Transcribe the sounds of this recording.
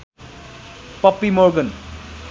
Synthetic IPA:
pʌpːimoɾɡʌn

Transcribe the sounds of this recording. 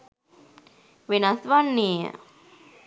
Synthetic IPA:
ʋenasʋanːeːə̰

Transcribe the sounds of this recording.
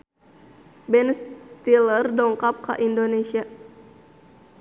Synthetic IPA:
bɛnst̪ilərdɔŋkap̚ka̰ʔindonesia

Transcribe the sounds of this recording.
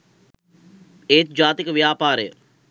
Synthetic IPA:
eːt̪̚d͡ʒaːt̪ikʋjaːpaːɾḛː

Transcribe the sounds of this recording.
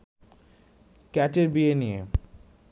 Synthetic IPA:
kɛʈeɾbienije

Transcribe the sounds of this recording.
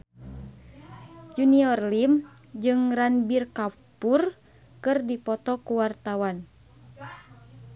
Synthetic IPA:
d͡ʒuniɔrlimd͡ʒɨŋranbirkapur | kɨrdipɔt̪ɔkuwart̪awan

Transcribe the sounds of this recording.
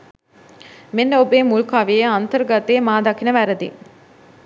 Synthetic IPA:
menːɐobeːmuɭkaʋijɐnt̪əɾɡɐt̪eːmaːd̪ɐkinɐʋæɾɐd̪ḭ

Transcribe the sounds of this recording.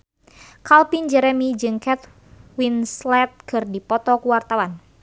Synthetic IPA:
kalpind͡ʒɛɾɛmid͡ʒɨŋkɛt̪ | winslɛt̪̚kɨrdipɔt̪ɔkuwart̪awan

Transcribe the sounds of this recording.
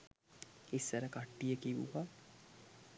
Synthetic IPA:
isʋəɾəkaʈːijəkiʋṵʋa

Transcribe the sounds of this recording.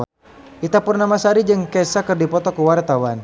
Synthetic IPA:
ʔit̪apʊrnamasaɾid͡ʒɨŋkɛsakɨrdipɔt̪ɔkuwart̪awan

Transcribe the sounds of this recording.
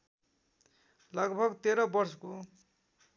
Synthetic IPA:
lʌɡbʱʌɡt̪eɾʌbʌrsʌko

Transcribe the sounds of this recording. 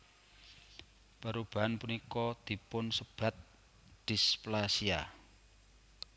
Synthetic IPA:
paɾub̥a̤anpunikɔd̪̥i̤pʊnsəb̥ä̤t̪̚ | d̪̥i̤splasia

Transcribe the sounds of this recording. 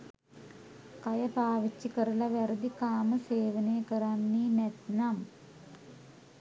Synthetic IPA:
kɐjɐpaːʋit͡ɕːikəɾulɐʋɛɾud̪ikaːməseːʋɐneːkəɾanːinet̪nam

